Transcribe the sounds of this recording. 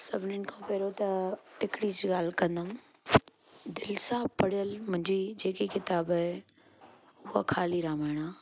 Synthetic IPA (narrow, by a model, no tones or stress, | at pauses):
sɐbʱnɪɳkʰõpeːɾot̪ɐɪkɽisiɡaːlkɐ̃nd̪ã | d̪ɪlsaːbpɐɽjəlmʊ̃ɦɪ̃ɲd͡ʑid͡ʒeːkikɪt̪aːbe | ʊɦa̰kʰaːliɾaːmaːɽ̃aː